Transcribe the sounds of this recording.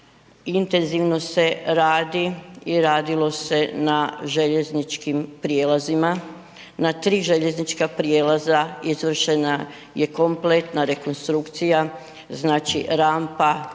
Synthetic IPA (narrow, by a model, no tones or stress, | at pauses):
int̪e̞nziʋno̞se̞ɾaːd̪iiɾaːd̪ilo̞se̞naʒe̞ʎe̞znit͡ʃkimpɾijeːlazima | nat̪ɾiːʒe̞ʎe̞znit͡ʃkapɾieːlazaizʋr̩ʃe̞na | je̞ko̞mple̞t̪naɾe̞ko̞nst̪ɾukt̪sija | znaːt͡ʃḭɾaːmpa